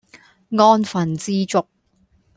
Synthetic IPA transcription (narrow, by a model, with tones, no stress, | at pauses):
ŋɔː˧nfɐ˨˩nt͡siː˧t͡sʊ˧k̚